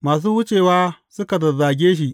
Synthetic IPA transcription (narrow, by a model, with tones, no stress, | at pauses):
maː˨s̬uː˦hʊ˦t͡ʃeː˨waː˦sʊ˦ka˨dɐ˨zaː˨ɡʲeː˦ʃ̬i˨ʔ